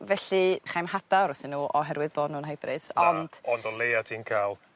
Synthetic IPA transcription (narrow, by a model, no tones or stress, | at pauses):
vɛɬiχajmhad̥aɾʊθɪnːuːʔɔɦɛɾwɨðboːdnuːnhajbrɨsɔnd̥ɔndɔlejatʰiːnkʰaːlˠ